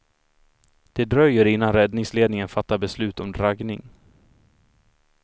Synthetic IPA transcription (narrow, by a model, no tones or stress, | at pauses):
d̪̥ɛd̪ɾœjːəɾɪnːanɾɛd̪nɪŋsleːd̪nɪŋənfat̪ːabɛslʉ̟ːt̪ɔmd̪ɾaɡnɪŋ